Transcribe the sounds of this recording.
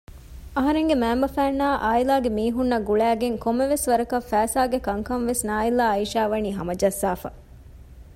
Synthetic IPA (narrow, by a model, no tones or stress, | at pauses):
ɐɦɐɾeŋɡemæːmbɐfæːnːaːʔaːilaːɡemiːɦunːɐɡuɭæːɡeŋkomːeʋesʋɐɾɐkɐfæːsaːɡekɐŋkɐnʋesnaːilaːɐiʃaːʋɐniːɦɐmɐd͡ʒɐsːaːfɐ̰